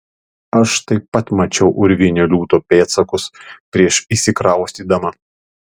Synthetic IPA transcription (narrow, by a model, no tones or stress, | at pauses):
ɐʃt̪ɐɪpːɐt̪mɐt͡ʃʲɛʊʔʊɾʲʋʲɪnʲɛlʲuːt̪oːpʲeːt̪sɐkʊspʲɾʲiɛʃiːsʲɪkɾɑˑʊsʲt̪ʲiːd̪ɐmɐ